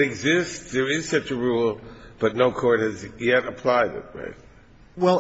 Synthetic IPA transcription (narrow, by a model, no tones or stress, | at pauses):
ɾɨɡzɪstðə˞ɪz̥sʌt͡ʃɨɹulˠb̥ʌtⁿnoʊkʰɔɹt̚hɨzjɛɾəpʰl̥aɪɾɪ̰t̚ɹa̰ɪt̚ | wɛlˠ